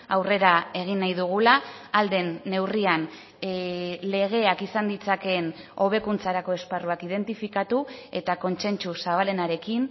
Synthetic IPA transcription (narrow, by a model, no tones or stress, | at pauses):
awre̞ɾae̞ɣ̞inːajðuɣ̞ulaːld̪e̞nːe̞wrian | le̞ɣ̞e̞akisand̪it͡sake̞n | o̞β̞e̞kunt͡saɾako̞e̞sparuakið̞e̞nt̪ifikat̪ue̞t̪ako̞nt͡se̞nt͡susaβale̞naɾe̞kin